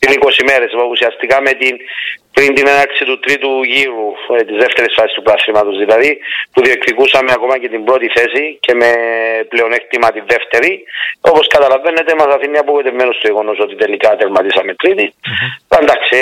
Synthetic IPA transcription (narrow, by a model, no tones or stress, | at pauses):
iniko̞sime̞ɾe̞susiɐst̪ikamet̪inpɾint̪inenɐɾk̪sit̪ut̪ɾit̪uʝiɾut̪izðeft̪e̞ɾisfasist̪upɾasɾimɐt̪ozðilɐðipuðioekθikusɐmeako̞mɐce̞t̪imbɾo̞t̪iθe̞sice̞me̞pleo̞nek̚t̪imɐt̪iðe̞ft̪e̞ɾio̞po̞skɐt̪ɐlave̞nːet̪emɐsɐθinːɐpoɣet̪evme̞nost̪ujeɣo̞noso̞t̪it̪elikat̪eɾmɐt̪isɐmet̪ɾit̪iland̪aksi